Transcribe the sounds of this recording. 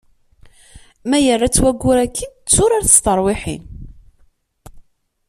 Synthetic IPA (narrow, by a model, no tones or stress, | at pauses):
mæjərːat͡sːwæɡːʊɾækʰːit͡sːʊɾaɾθə̥st̪əɾˤwɪħḭn